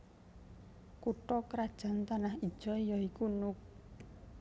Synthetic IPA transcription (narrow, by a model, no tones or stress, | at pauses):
kuʈɔkɾad̥ʒ̥a̤nt̪anahid̥ʒ̥ɔ̤jɔikunʊk̚